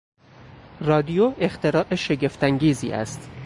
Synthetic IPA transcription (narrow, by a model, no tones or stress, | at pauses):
rɒːd̪ijoe̞xt̪ʰe̞ɾɒːʔeʃe̞ɡe̞ft̪æŋɡiːzḭːʔæ̰st̪